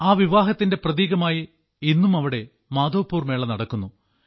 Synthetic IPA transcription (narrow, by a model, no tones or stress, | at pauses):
aːʋiʋaːɦɐt̪ːinde̞prɐðiːɣɐmaːji | inːumɐʋiɽe̞ | maːd̪o̞ːpːuːrmeːɭɐnɐɽɐkːunːu